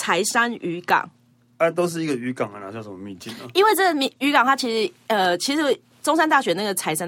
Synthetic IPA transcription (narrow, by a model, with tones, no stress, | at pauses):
t͡sʰa˧˦ɪʂa˦˥ny˧˥kɑ̰˨˩˦ŋ | ə˧˦t̪o˥ʊʂ̬ɻ̩˥˩i˧˥ɡə˨y˧˥˦kɑ˨˩ŋ˨na˧˨˦t͡ɕjʂə˦mə˧mi˥˨nt͡ɕi˥˨˩nə̰˨˩i˥˦nwe˥˧ɪt͡sɤ˥˩ɡə˨˩m˧y˧˥kɑ˨˩ŋt̪ʰa˥t͡ɕʰi˧˥ʂɻ̩˧˦ə˧t͡ɕʰi˧˥ʂɻ̩˧˥ | ʈ͡ʂo˥ŋsa˥nt̪a˥˩ɕɥɛ˧˦na˥˩ɡə˩t͡sʰa˧˦ɪʂa˥˦n